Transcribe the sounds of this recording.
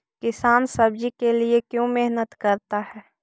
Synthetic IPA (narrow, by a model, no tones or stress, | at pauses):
kɪsaːnsɐbd͡ʒikeliekjõːmeɦnət̪kɐɾt̪aɦɛː